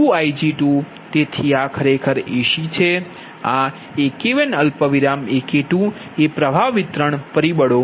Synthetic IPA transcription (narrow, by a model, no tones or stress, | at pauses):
uajd͡ʒiʈu | t̪et̪ʰiakʰəɾekʰəɾeʃit͡ʃʰe | a | ekeʋenəlpəʋiɾamekeʈũ | epɾəbʱaʋːit̪ɾəɳpəɾibəɽo